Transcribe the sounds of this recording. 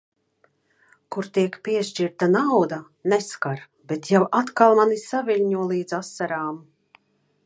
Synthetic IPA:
kuɾt̪iɛkpiɛʃt͡ʃiɾt̪anawd̪a | neskaɾ | bet̪jawat̪kalˠmanisavʲiʎʲɲuɔlˠiːd̪zasːaɾaːm

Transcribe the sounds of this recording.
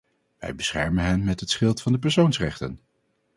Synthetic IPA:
ʋɛ̰jbəsχɛ̰ɹmənɦɛnmɛtɦətsχɪlˠtfɑndəp̬ɛɹsownsrɛχtə̰n

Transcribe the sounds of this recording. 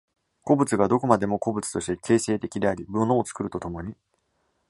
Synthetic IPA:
ko̞bɯ̟t͡sɨɡad̪o̞ko̞mad̪e̞mo̞ko̞bɯ̟t͡sɨ̥t̪o̞ɕi̥t̪e̞kʰe̞ːse̞ːt̪e̞kʲid̪e̞aɾʲibɯno̞ːt͡sɨ̥kɯ̟ɾɯ̟t̪o̞t̪o̞mo̞ɲ̟i

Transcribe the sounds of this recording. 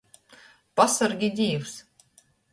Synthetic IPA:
pasaɾɡʲid̪ʲiːws

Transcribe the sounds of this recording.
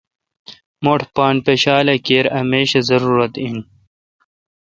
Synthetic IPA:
moʈʰpaːnpeɕaːlɐkeːɾɐmeːɕɐzɐɾuːɾɐt̪in

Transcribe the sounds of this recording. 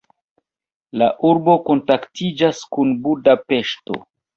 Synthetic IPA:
laʔuɾbo̞ko̞ntaktid͡ʒaskunbudape̞ʃto̞̰

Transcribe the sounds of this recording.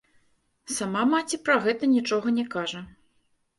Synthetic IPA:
samamat͡sʲipɾɐɣɛt̪ɐnʲit͡ʂɔɣɐnʲɛkaʐɐ

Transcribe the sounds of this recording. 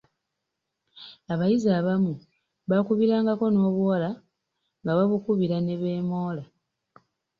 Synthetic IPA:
aβajizaːβamu | βakuβiɾaːŋɡako̞no̞ːβuwala | ŋɡaβaβukuβiɾane̞βe̞ːmo̞ːla

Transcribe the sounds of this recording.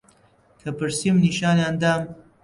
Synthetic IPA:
kʰapəɾsimniʃɑːneand̪am

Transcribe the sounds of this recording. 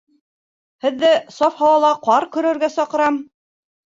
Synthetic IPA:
hɘ̆ðːæsɑfhɑwɑlˠɑqɑɾkɵ̆ɾɘ̆ɾɡæsɑqɤ̆ɾɑm

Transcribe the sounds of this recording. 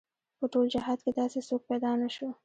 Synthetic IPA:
pəʈold͡ʒaɦɑd̪̚ked̪ɑsesok̚pad̪ɑnaʃo

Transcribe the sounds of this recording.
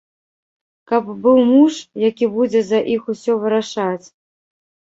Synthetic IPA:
kɐbːɨwmuʂjakʲibud͡zʲɛzɐʔixusʲɔvɨɾaʂat͡sʲ

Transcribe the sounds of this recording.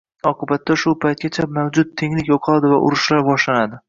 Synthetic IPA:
ɒqʰɨbat̪ːaʃʊpʰajt̪̚ɡʲat͡ʃʰamawd͡ʒʊt̪̚ʰːe̞ŋlɪkʲjoqʰɑlˠad̪ɪvaʔʊ̰ɾʊʃlaɾbɒʃlanad̪ɪ

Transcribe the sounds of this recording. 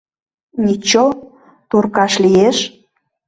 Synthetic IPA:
nʲit͡ɕo | t̪urkɑʃlijeʃ

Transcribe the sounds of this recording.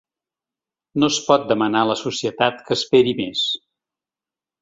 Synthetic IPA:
nospɔt̪̚d̪əmənaləsusiət̪at̪kəːspeɾimes

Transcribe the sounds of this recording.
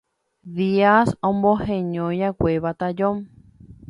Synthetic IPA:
ðiasõmbohẽɲõjakʷeβat̪ad͡ʒom

